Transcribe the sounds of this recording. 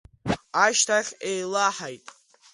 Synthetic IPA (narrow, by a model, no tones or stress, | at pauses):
aʃtʰaχʲejlaħajtʼ